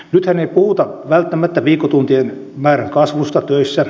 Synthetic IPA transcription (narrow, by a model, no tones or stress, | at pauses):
nyt̪hæneipuhut̪ɑʋælt̪ːæmæt̪ːæʋiːkːot̪unt̪ien | mæːræŋkɑsʋust̪ɑt̪øisːæ